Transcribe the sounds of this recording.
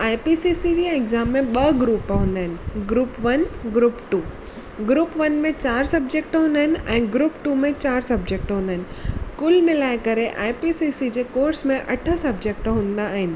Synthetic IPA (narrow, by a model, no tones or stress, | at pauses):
aːjpisisid͡ʑieɡzaːmːẽɓɐɡɾuːpɦũːn̆d̪aːɦɪnɪ̆ɡɾuːpʋɐnɡɾuːpʈuː | ɡɾuːpʋɐnmẽt͡ɕaːɾsɐb̚d͡ʑek̚ʈɦũːnd̪aɦɪnɪ̆ɛ̃ːɡɾuːpʈumẽt͡ɕaːɾsɐb̚d͡ʑek̚ʈɦũːnd̪aɦɪnɪkʊlmɪlaːɪkəɾeʔa̰ːjpisisid͡ʑekoːɾsmẽʔɐʈʰə̆sɐbd͡ʑek̚ʈɦũːnd̪aːɦɪnɪ̆